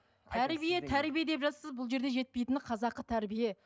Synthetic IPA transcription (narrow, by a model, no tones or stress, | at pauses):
t̪ʰæɾbijet̪ʰæɾbijed̪e̞pʒɑt̪səzbʊlˠʒe̞ɾd̪e̞ʒe̞t̪̚pe̞jt̪ɪnɪqʰɑzɑqːət̪ʰæɾbije̞